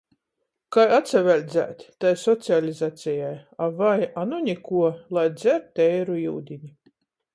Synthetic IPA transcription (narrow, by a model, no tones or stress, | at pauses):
kajat̪sʲɛvʲælʲd̪zʲæ̰ːt̪ʲt̪ajsɔt̪sʲialʲizat̪sʲɛjajavajanunʲikuɔlˠajd̪zʲæɾt̪ʲːɛjɾujṵːd̪ʲinʲi